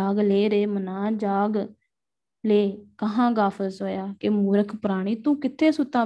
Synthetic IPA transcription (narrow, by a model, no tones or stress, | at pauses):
aːɡleːɾeːmənãːd͡ʒaːɡ | leːkəɦãːɡaːfʰəsoːjaːkɪmʊːɾəkʰpəɾaːɽ̃iːt̪ũːkɪt̪ʰːeːsʊt̪ːaː